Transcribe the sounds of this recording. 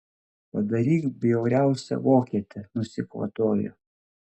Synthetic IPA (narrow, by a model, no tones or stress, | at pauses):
pɐd̪ɐɾʲiːkbʲjɛʊɾʲæˑʊsʲɛ̰ʋoːkʲiːt̪ʲɛnʊsʲɪkʋɐ̰t̪oːjʊ̰